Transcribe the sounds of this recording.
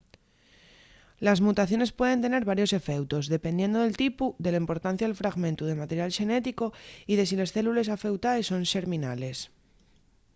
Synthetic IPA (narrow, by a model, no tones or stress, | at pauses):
lazmut̪aθjo̞ne̞spwe̞ð̞e̞nt̪e̞ne̞ɾβaɾjo̞se̞fe̞wt̪o̞zðe̞pe̞nd̪je̞nd̪oðe̞lt̪ipuðe̞laimpo̞ɾt̪an̟θjaðelfɾaɣmẽ̞nt̪uðemat̪e̞ɾjalʃe̞ne̞t̪iko̞iðe̞sile̞sθe̞lule̞s̬afe̞wt̪aesːo̞nʃe̞ɾmĩnale̞s